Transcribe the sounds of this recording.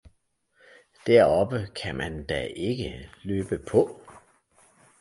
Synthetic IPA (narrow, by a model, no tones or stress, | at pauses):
d̥æɐ̰ɒ̽b̥əkʰæmʔænd̥æʔe̝ɡ̥əløːb̥əpʰɒ̽